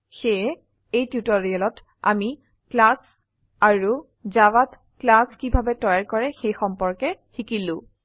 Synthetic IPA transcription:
xeɛ | ejtjutoɹialɔt | a̰mi | klas | aɹu | zawat | klaskibʱabɛtɔjaɹkɔɹɛxejxɔmpɔɹkɛxikilʊ̃

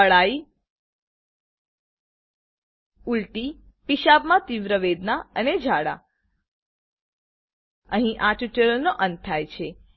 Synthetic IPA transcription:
əɭai | ulʈi | piʃabmãt̪iʋɾəʋed̪naəned͡ʒʱaɽa̰ | əɦĩʔaʈuʈəɾəlnoʔə̃nt̪̚t̪ʰːajt͡ʃʰe

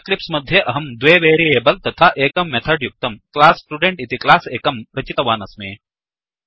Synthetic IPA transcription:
klipsmɐd̪ʱːjeʔɐɦɐmd̪ʋeːʋeːɾieːbɐlt̪ɐt̪ʰaʔeːkɐmːet̪ʰɐɖjuk̚t̪ɐmklaːsːʈuɖeɳʈit̪iklaːseːkɐmɾɐt͡ʃit̪ɐʋaːnɐsmeː

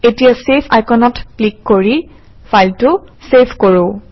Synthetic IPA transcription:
etijasepʰa̰jkʰɔnɔtklikːoɹi | fʰajltʊsepʰkoɹõ

